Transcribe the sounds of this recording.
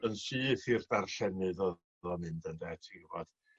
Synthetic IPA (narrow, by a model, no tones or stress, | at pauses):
ənsiːθirdarɬɛnɨðɔ | ðɔmɪndəndɛːtʰiɡəvɔd̥